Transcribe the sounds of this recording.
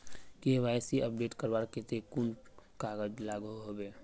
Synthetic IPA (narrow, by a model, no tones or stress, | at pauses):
keʋaːjsiʔəp̚ɖeːʈkəɾbaːɾket̪ekunkaːɡəd͡ʒlaːɡoɦobeː